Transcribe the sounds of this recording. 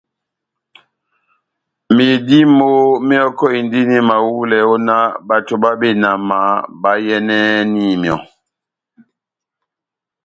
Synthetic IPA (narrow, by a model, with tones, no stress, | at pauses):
mi˨di˦mo˦mi˦ɔ˦kɔ˦i˨n˨di˦ni˦ma˨wu˦lɛ˨o˦na˦ba˨to˨ba˦be˦˨na˨ma˨˦ba˦jɛ˦nɛ˦ni˦˨mjɔ˨